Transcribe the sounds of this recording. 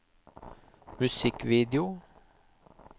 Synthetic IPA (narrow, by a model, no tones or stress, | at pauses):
mʉsɪkʋiːd̪ɪʊ